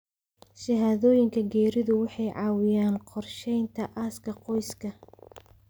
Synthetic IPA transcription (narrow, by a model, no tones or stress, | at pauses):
ʃɪɦaːðɔːjɪŋkʰɐɡɛːɾɪðʊwɑħɑjʕɑːwɪjaːnqɔrʃɛjnt̪ʰɐʔaːskʰɐqɔjskʰɐ